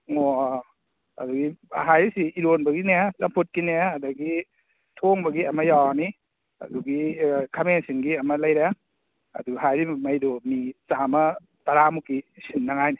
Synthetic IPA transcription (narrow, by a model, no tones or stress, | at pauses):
ŋɔ | a̰duɡiɦajɾisiiɾonbaɡinesampʰut̚kineadaɡi | tʰoŋbaɡiamajani | a̰duɡikʰamensiŋɡiamalajɾa | a̰duɡɦajɾimajdomit͡ʃama | t̪aɾamukisinːaŋajni